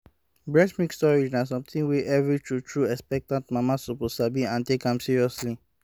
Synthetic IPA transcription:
bɹɛsmĩkstɔɹid͡ʒnas̬ɔ̃mt̪ĩŋweʔɛvɹitʰɹutʰɹuɛkspɛk̚tãntmamasuposabĩãntekãmsiɹiɔsli

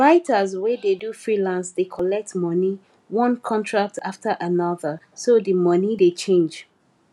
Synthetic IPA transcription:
ɹaɪtʰəzwɛdedufɹilãnsdekʰɔlɛk̚tmɔni | wɔ̃nkʰɔ̃ntʰɹak̚tʰaftʰəʔanɔðə | sodimʌnidet͡ʃʰẽnd͡ʒ

